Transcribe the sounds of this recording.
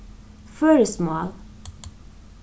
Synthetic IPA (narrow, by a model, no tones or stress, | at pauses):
føːɾəsmɑːl